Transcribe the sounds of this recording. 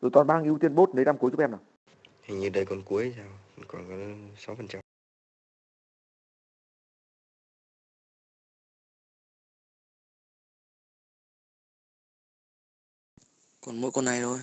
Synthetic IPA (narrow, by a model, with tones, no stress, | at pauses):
zo˨˩t̪waː˨˩nɓaː˧ŋʔi˧əwt̪i˧ənɓo˦˥t̚nə˨˦jna˧mku˨˦ət͡ɕʔɛ˧mnaː˨˩ | ha˨˩ŋɲɨ˨˧˩ɗə˧jkɔ˨nku˨˦əjzaː˧˩wkɔ˨˩nkɔ˨˦sa˨˦wfə˨˩nt͡ɕa˧m | kɔ˨˩nmo̰˧˥˦jkɔ˧na˨˩jzo˨˧˩j